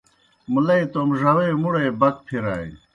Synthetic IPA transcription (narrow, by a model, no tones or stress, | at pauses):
mulɐit̪omʐɐweːmuɽeːbɐt̪̚pʰiɾa̰ːḭ